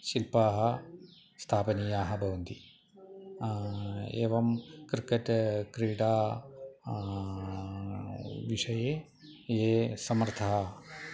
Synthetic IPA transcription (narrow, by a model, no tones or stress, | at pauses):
ʃilpaːɦɐ | st̪ʰaːpɐnijaːɦɐbʱɐʋɐnd̪i | ḛːʋɐmkɾkɐtkɾiːɖaː | ʋiʂɐjeː | eːsɐmɐɾt̪ʰɐɦɐ